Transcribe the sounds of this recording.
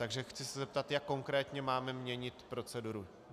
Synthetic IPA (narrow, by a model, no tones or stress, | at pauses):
t̪aɡʒɛxt͡sɪsɛzɛp̚t̪at̪jakːo̞ŋkɾɛːt̪ɲɛmaːmɛmɲɛɲɪt̪pɾo̞t͡sɛduɾu